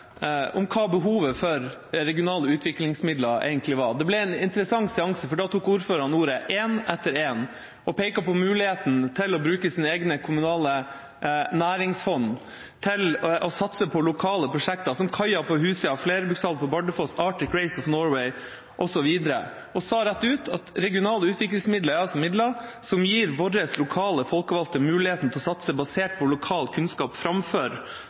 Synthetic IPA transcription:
ʊmkʰɑːbəɦuːʋəfɔɾ | ɾɛɡɪʊnɑːləʉːt̪ʰʋɪklɪŋsmɪd̪lɑɾḛɪɡənt̪lɪʋɑd̪ɛblɛɛnɪnt̪əɾəsɑŋːsɛɑŋsəfɔɖɑːt̪ʰuːkuːɾføːɾɑnuːɾəʔeːnɛt̪ːəɾeːn | ʔɔpeɪkɑpɔmʉːlɪheːt̪n̩t̪ʰɪlɔbɾʉːkəsiːnəeːɡnəkʰʊmʉnɑːlə | næːɾɪŋsfɔn | t̪ʰɪlʔɔsɑt̪səpʰɔlʊkʰɑːləpʰɾʊʂɛkt̪ɑsɔmkʰɑɪɑpʰɔhʉːsəɑfleːɾəbʉsɑlpʰɔbɑɖəfɔsɑːʈɪkɾɛɪsɔfnɔːɹwɛɪ | ʔɔsɔʋiːd̪əɾə̰ | ʔɔsɑːɾæt̪ːʉːt̪ʰɑt̪ɾɛɡɪʊnɑːləʉːt̪ʋɪklɪŋsmɪd̪ləɑlsɔmɪd̪lɑsɔmjiːɾʋɔɾəslʊkʰɑːləfɔlkəʋɑlt̪əmʉːlɪheːt̪n̩t̪ɛlɔsɑt̪səbɑseːʈ̚pʰɔlʊkʰɑːlt̪kʰʉnskɑːpfɾɑmføːɾ

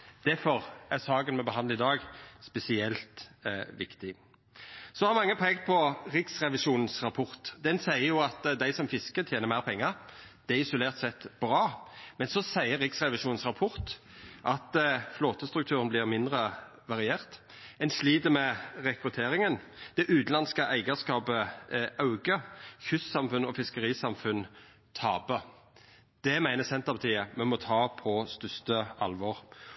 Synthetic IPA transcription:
d̪̥æɾfɔʁæʁsɑːɡənmɛɔbəɦɑnd̪ɪd̪ɑːɡspɛsɪɛlt̪ʋɪkt̪ɪ | sɔhɑɾmɑŋːəpʰɛɡt̪̚pʰɔɾɪksʁɛʋɪʃuːnn̩sɾɑpʰɔɾt̪d̪ɛnsæɪəɾjʊɑt̪d̪æɪsɔmfɪskət̪ʰjeːnəɾmæɪʁpʰɛŋːəɾd̪̥ɛæɪsʊleːʁt̪sɛt̪ːbɾɑːmɛnsɔsæɪəɾɪksʁɛʋɪʃuːnn̩sʁɑpʰɔɾt̪ | ʔɑt̪floːt̪əst̪ɾʉkt̪ʰʉːʁənblɪʁmɪnd̪ʁə | ʋɑʁɪeːʁt̪ | ɛnsliːd̪əmɛʁɛkɾʉt̪ʰeːɾɪŋənd̪̥ɛʔʉːd̪nɑnskəʔæɪɡəskɑːpəɑʉɡəçʉssɑmfʉnɔfɪskəɾiːsɑmfʉn | t̪ʰɑːbə | d̪̥ɛmæɪnəsɛnt̪əʁbət̪ʰiːəmɛmɔt̪ʰɑːpʰɔst̪ʉst̪əɑ̰lʋɔʁ

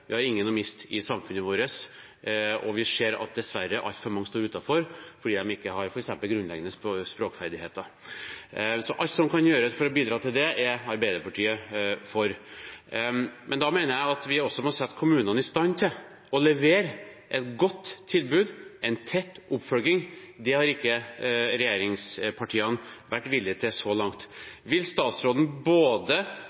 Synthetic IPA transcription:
ʋɪhɑɾɪŋːənɔmɪst̪ɪsɑmfʉnəʋoːɾəs | ɔʋɪseːɾɑ̰t̪̚d̪ɛsʋæɾːəʔɑ̰lt̪fɔɾmɑŋːst̪oːɾʉːt̪ɑfɔɾfɔɖiːd̪ɛmɪkːəhɑɾfɔɾɛksɛmpəlɡɾʉnlɛ̰ɡənəsspɾoːkfæɾd̪ɪheːt̪ə | sɔʔɑlt̪sɔmkʰɑnjøːɾəsfɔɾɔbiːd̪ɾɑːt̪ʰɪld̪ɛʔɛɾɑɾbæɪd̪əɾpɑʈʰiːəfɔɾ | mʔɛnd̪ɑmeɪnəɾjæɪɑt̪ʋɪɔsːɔmɔsɛt̪ːkʰʊmʉːnənɪst̪ɑnːt̪ʰɪl | ɔlɛʋeːɾʔɛt̪ɡɔt̪ːʰɪlbʉːd̪ʔɛɪnt̪ʰɛt̪ːʔʊpːfœlɡɪŋd̪ɛhɑɾɪkːəɾɛjeːɾɪŋspʰɑʈʰiːɑnʋæʈːʋɪlːɪt̪ʰɪlsɔlɑŋt̪ʋɪlst̪ɑːt̪sɾoːd̪n̩boːd̪ə

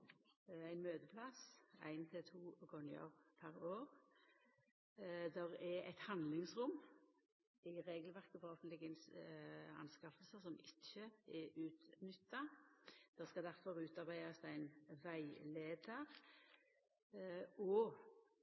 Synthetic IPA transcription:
æɪnmøːd̪əpʰlɑsæ̰ɪnt̪ʰɪlt̪ʰuːɡɔnɪə̰ʁpʰæʁoːʁ | d̪ɛʁɛæ̰ɪt̪hɑnd̪lɪŋsʁʊm | ɪʁeːɡəlʋæʁkəfɔʁɔfənt̪lɪɡən | ɑ̰nskɑfəlsəsɔmʔɪçəɛʉːt̪nʏt̪ːɑd̪̥ɛʁskɑd̪æʁfɔʁʉːt̪ɑʁbæɪɑsæɪnʋæɪleːd̪əʁ | ɔ

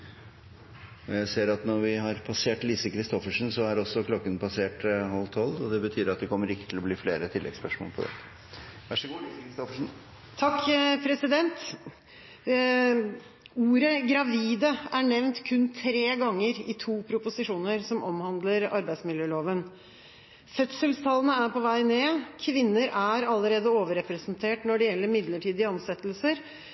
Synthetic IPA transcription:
ɔjæɪseːɾɑt̪nɔɾʋɪhɑɾpʰɑseːʈliːsəkɾɪst̪ɔfəʂn̩sɔæɾɔsːɔkʰlɔkːənpʰɑseːʈhɑlt̪ʰɔlːɔd̪ɛbət̪ʰyːɾɑt̪̚d̪ɛkʰɔmːəɾɪkːət̪ʰɪlɔbliːfleːɾət̪ʰɪlːɛ̰ɡspœʂmo̰ːlpʰɔ̰d̪ɛ̰t̪ːə̥ | ʋæʂəɡuːlisəkɾɪst̪ɔfəʂn̩ | t̪ʰɑkːpʰɾɛsɪd̪ɛnt̪ | uːɾəɡɾɑʋiːd̪əæɳɛʋnt̪kʰʉnt̪ʰɾeːɡɑŋːəɾɪt̪ʰuːpʰɾʊpʊsɪʂuːnəɾsɔmɔmhɑnd̪ləɾɑɾbæɪsmɪljøːloːʋən | fœt̪səlst̪ʰɑlənəæɾpɔʋæɪneːkʰʋɪnːəɾʔæɾɑlːəɾeːd̪əoːʋəɾɛpɾɛsnt̪ʰeːʈnɔɖɛjɛlːəɾmɪd̪ləʈʰiːd̪ɪɑnsɛt̪lsəɾ

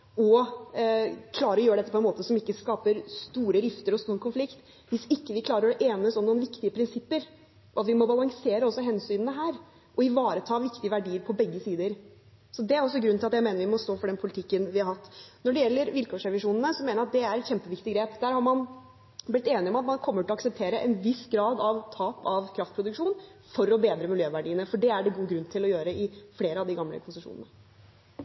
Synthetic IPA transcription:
ɔ | kʰlɑːɾəɾɔjøːɾəɖ̪ɛt̪ːəpɔɛnmoːt̪əsɔmɪkːəskɑːpəɾst̪uːɾəɾɪft̪əɾɔst̪uːɾkʰʊnflɪkt̪ | ʋɪsɪkːəʋɪkʰlɑːɾəɾɔʔeːnəsɔmnuːənʋɪkt̪ɪəpʰɾɪnsɪpːəɾ | ʔɔɑt̪ʋɪmɔbɑlɑŋseːɾəɔsːɔɦɛnsyːnnəɦæːɾ | ʔɔɪʋɑːɾət̪ʰɑːʋɪkt̪ɪəʋæɖiːəɾpʰɔbɛɡːəsiːd̪əɾ | sɔd̪ɛæɾɔs̬ːɔɡɾʉnt̪ʰɪlɑt̪jæɪeːnəɾʋɪmɔst̪oːfɔɖɛnpʰʊlɪt̪ʰɪkːənʋɪhɑɾhɑt̪ːnɔɖɛjɛlːəɾʋɪlkʰoːʂɾɛʋɪʂuːnn̩əsɔmeːnəɾɑt̪̚d̪ɛæɾɛt̪çɛmpəʋɪkt̪ɪɡɾeːpd̪æːɾhɑɾmɑn | blɪt̪ːeːnɪɔmɑt̪mɑnkʰɔmːəʈʰɪlɑksəp̚t̪ʰeːɾəʔɛnʋɪsɡɾɑːd̪ɑʋt̪ʰɑːpɑʋkʰɾɑft̪pʰɾʊd̪ʉkʂuːnfɔɾɔbeːd̪ɾəmɪljøːʋæɖiːənəfɔɖɛæɖɛɡuːɡɾʉnːt̪ʰɪlɔjøːɾəɪfleːɾəɑʋd̪ɪɡɑmlə̰kʰʊnsəʂṵːnənə

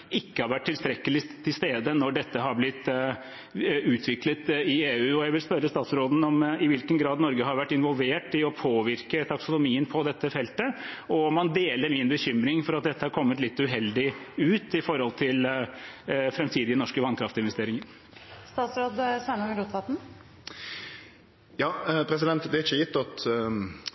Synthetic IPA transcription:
ɪkːəhɑɾʋæʈʰːɪlst̪ɾɛkːəlɪt̪ʰɪlst̪eːd̪ənɔɖɛt̪ːəɦɑɾblɪt̪ː | ʉːt̪ʰʋɪklət̪ɪeːʉːɔjæɪʋɪlspœɾːəst̪ɑːt̪sɾoːd̪n̩ɔmɪʋɪlkənɡɾɑːd̪nɔɾɡəɦɑɾʋæʈːɪnʋɔlʋeːʈɪɔpʰoːʋɪɾkət̪ʰɑksʊnʊmiːənpʰɔd̪ɛt̪ːəfɛlt̪əɔmɑnd̪eːləɾmɪnbəçʏmɾɪŋfɔɾɑt̪̚d̪ɛt̪ːəhɑɾkʰɔmːət̪lɪt̪ːʉɦɛld̪ɪʉːt̪ɪfɔɾɔlt̪ʰɪl | fɾɛmt̪ʰiːd̪ɪənɔʂkəʋɑnkʰɾɑft̪əɪnʋɛst̪eːɾɪŋəɾ | st̪ɑːt̪sɾoːd̪sæɪnɔŋɾuːt̪fɑt̪n̩ | jɑːpʰɾɛs̬ɪd̪ɛnt̪d̪ɛɾɪçəjɪt̪ːɑt̪

